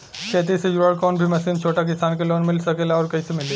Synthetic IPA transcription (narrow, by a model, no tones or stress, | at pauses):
t͡ʃɛːt̪̬isejuɾaːɽkɔːnbʱimɐsiːnt͡ʃʰoːʈak̬ɪsaːnkeloːnmɪlsɐkeːlaɔːɾkɐisemɪleː